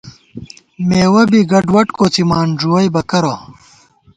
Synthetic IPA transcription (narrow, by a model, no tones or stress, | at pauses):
meːwɐbiɡɐɖwɐʈkoːt͡simaːnʐuwɐjbɐkɐɾo